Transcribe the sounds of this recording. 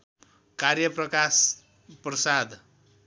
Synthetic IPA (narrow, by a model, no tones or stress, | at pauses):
karjʌprʌkas | prʌsad̪